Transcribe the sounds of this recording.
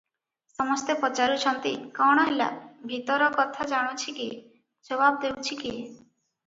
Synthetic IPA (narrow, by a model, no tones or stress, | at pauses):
sɔmɔst̪epɔt͡ʃaɾuʃʰɔnt̪ḭkɔɽ̃ɔɦela̰bʱit̪ɔɾɔkɔt̪ʰad͡ʒaɽ̃ot͡ʃʰiki | d͡ʒɔβab̚d̪ewt͡ʃʰiki